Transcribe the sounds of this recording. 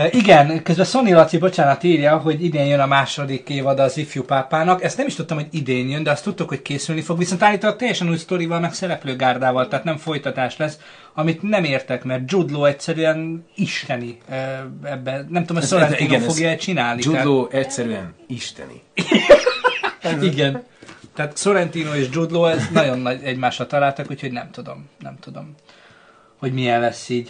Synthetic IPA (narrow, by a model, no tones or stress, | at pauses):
iɡɛnkøzbɛso̞nːilɒt̪sibo̞t͡ʃaːnɒt̪iːɾjɒɦo̞ɟid̪eːɲjønɒmaːʃo̞d̪ikeːvɒd̪ɒːzifjupaːpaːnɒkɛst̪nɛmiʃt̪ut̪ːɒmhoɟid̪eːɲjønd̪ɛɒst̪ut̪ːukho̞ckeːsylnifo̞ɡʋiso̞nt̪alːiːt̪ot̪ːɛjːɛʃɛnuːjst̪o̞ɾivɒlmɛksɛɾɛpløːɡaːrd̪aːvɒlt̪ɛɦːt̪nɛɱfo̞jt̪ɒt̪aːʃlɛs | ɒmit̪nɛmeːrt̪ɛkmɛrt̪̚d͡ʒud̪loːɛcsɛɾyɛniʃt̪ɛni | ɛbːɛnɛmt̪uomsloɾɛniːnːfo̞ɡjɒɛt͡ʃinaːlniualoːɛcsɛɾyɛ̰niʃt̪ɛ̰nḭ | iɡɛnt̪ɛːt̪so̞ɾɛnt̪iːnoeːʒd͡ʒud̪loːɛznɒɟo̞nːɒɟɛɟmaːʃːɒt̪ɒlaːlt̪ɒkucho̞ɟnɛmt̪ud̪o̞̰mnɛ̰mt̪ud̪o̞m | ho̞ɟmijɛllɛsːiːɟ